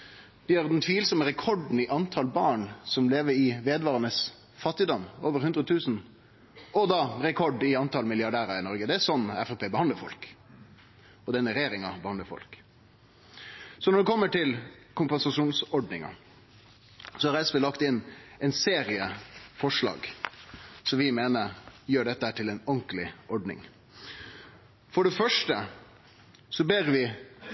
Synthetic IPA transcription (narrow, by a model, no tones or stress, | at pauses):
d̪ɪjːʁd̪ɛnt̪ʰʋiːlsɔməʁɛkʰɔɖn̩ɪʔɑnt̪ʰɑlbɑːɳsɔmleːʋəɾɪʋeːd̪ʋɑːʁənəs | fɑt̪ːɪd̪ɔmːoːʋəɾhʉnd̪ɾət̪ʰʉːsn̩ | ɔd̪ɑːɾɛkʰɔɖɪɑnt̪ɑlmɪlɪɑɖæːɾɑɪnɔɾɡəd̪ɛæsɔnːæ̰fɛpʰeːbəhɑnd̪əfɔ̰lk | ɔd̪ɛnːəɾɛjeːɾɪŋɑ̰bəhɑnd̪əɾfɔ̰lk | sɔnɔɖɛkʰɔmːəʈɪlkʰʊmpɛnsɑʂuːnsɔɖnɪŋɑ̰ | sɔhɑɾɛspelɑkt̪ɪnːɛnseːɾɪəfɔʂlɑ̰ːɡ | sɔmʋɪmeːnəɾjøːɖɛt̪ːəhæːʈɪlɛnɔŋklɪɔɖnɪ̰ŋ | fɔɖɛfœʂʈə | sɔbeːɾʋɪ